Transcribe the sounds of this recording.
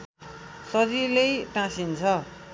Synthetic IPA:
sʌɾilejʈãsint͡sʰʌ

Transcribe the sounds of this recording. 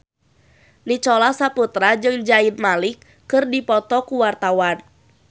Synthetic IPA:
nit͡ʃɔlasaput̪ɾad͡ʒɨŋd͡ʒainmalikː | ɨrdipɔt̪ɔkuwart̪awan

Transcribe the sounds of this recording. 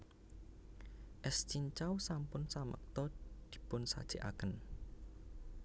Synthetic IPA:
ʔɛst͡ʃiɲt͡ʃawsampʊnsamə̰k̚t̪ɔd̪̥i̥̤pʊnsa̰d̥ʒ̥eʔa̰kən

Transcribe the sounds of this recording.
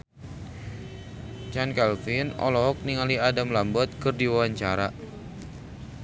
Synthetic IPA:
t͡ʃankalfinɔ̰lɔɦɔk̚niŋaliadamlambɔt̪̚kərdiwawaɲt͡ʃaɾa

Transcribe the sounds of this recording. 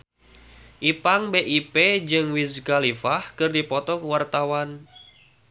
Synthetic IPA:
ʔipaŋbeʔiped͡ʒɨŋwiskalifahkɨrdipɔt̪ɔkwart̪awan

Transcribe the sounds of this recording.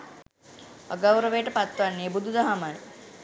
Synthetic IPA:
ə̰ɡawɾəʋejʈəpat̪ʋanːeːbud̪ud̪əɦamaj

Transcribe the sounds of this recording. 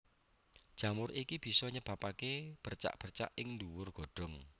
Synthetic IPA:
d̥ʒ̥a̤mʊɾʔikib̥i̤sɔɲəb̥a̤pakeb̥ərt͡ʃa̰ʔb̥ərt͡ʃa̰ʔɪŋnduwʊrɡ̥o̤ɖ̥ɔ̤ŋ

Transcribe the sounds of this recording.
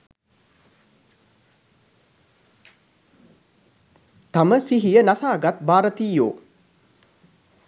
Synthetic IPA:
t̪aməsiɦijənasaːɡat̪baːɾət̪iːjo̰ː

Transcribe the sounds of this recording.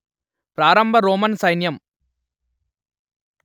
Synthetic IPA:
pɾaːɾɐmbʱɐɾoːmɐnsɐjnjɐm

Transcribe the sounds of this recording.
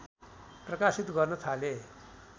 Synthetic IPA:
prʌkasit̪ɡʌrnʌt̪ʰale

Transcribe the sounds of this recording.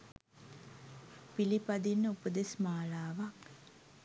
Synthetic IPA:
pilipad̪inːəupəd̪esmaːlaːʋak

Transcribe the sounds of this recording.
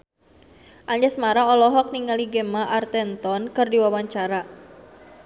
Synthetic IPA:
ʔaɲd͡ʒɛsmaɾaɔlɔɦɔk̚niŋaliɡɛmaʔart̪ɛnt̪ɔnkɨrdiwawaɲt͡ʃaɾa

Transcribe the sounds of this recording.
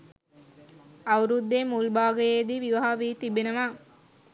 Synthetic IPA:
ɐwɾud̪ːemulbaːɡəjed̪iʋiʋɐɦaʋiːt̪ibenəʋa

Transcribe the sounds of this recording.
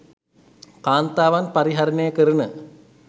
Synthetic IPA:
kaːnt̪aːʋanpaɾiɦaɾənəjəkəɾənə

